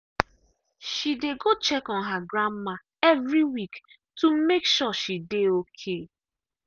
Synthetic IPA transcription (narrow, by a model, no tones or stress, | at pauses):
ʃideɡot͡ʃɛkɔnɦaɡɾamːa | ɛvɾiwik | tumekʃɔʃideokʰe